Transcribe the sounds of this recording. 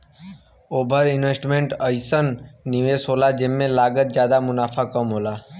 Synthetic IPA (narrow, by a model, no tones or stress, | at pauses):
oːbʱəɾɪnʋesʈmeɳʈəjsənːiʋesɦoːlad͡ʒemːẽlaːɡət̪̚d͡ʒjaːd̪amʊnaːfʰakəmɦoːla